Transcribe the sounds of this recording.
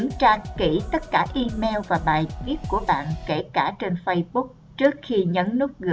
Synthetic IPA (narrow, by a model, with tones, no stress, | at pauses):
ŋt͡ɕaː˧kki˧˩t̪ə˦˥t̚kaː˧˩ʔi˧mɛ˧wvaː˨˩ɓaː˨˩jti˦˥ət̚ku˧˩əɓa̰ː˧˨nke˧˩kaː˧˩t͡ɕe˧nfə˧jɓʊ˦˥k̚ | t͡ɕɨ˦˥ək̚xi˧ɲə˨˦nnɨ˦˥t̚ɣɨ̰˧